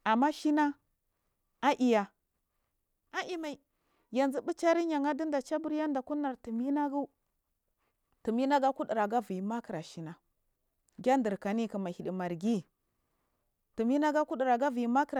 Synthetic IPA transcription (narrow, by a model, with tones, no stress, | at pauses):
a˨mːa˦ʃi˦na˦ | a˦ʔi˨ja˨ | a˦ʔi˦ma˨i˨ | ja˨nzi˦bu˦t͡ʃa˦ɾi˦ɲa˨ŋa˦di˦nda˨t͡ʃa˦bu˦ɾja˦nda˨ku˦na˨ɾtu˨mi˦na˦ɡu˦ | tu˨mi˦na˦ɡa˦ku˦di˨ɾa˨ɡa˦vi˨i˨ma˦ki˨ɾa˨ʃi˦na˦ | ɡʲa˦ndə˨ɾka˨ni˦˨kə˨ma˨hi˨ɗi˨ma˨ɾɡi˦ | tu˨mi˦na˦ɡa˦ku˦ɗi˨ɾa˨ɡa˦vi˨ji˨˦ma˦kə˦ɾ